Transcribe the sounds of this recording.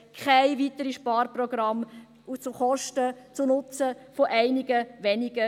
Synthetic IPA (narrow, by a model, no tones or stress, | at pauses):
kʰχaɪvitəɾiʃpɑːɾrprɔɡ̥ɾɑm | ut͡suχɔʃtət͡sunʊt͡səfoʔæɪnɪɡəʋɛnɪɡ̥ə